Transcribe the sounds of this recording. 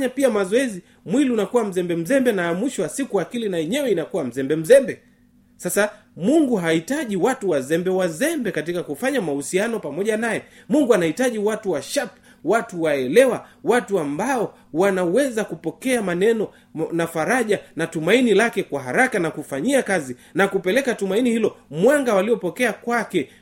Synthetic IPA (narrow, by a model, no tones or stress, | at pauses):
ɲapiamazɔɛzi | mwiliunakuwam̩zɛmbɛm̩zɛmbɛnaːmwiʃɔwasikuakilinaɛɲɛwɛinakuwam̩zɛmbɛm̩zɛmbɛ | sasa | muŋɡuɦaitaʄiwatuwazɛmbɛwazɛmbɛkat̬ikakufaɲamahusianɔpamɔʄanajɛmuŋɡuanahitaʄiwatuwaʃap | watuwaɛlɛwawatuambaɔ | wanawɛzakupɔkɛamanɛnɔ | nafaɾaʄanatumainilakɛkwaɦaɾakanakufaɲiakazi | nakupɛlɛkatumainihilɔmwaŋɡawaliɔpɔkɛakwakɛ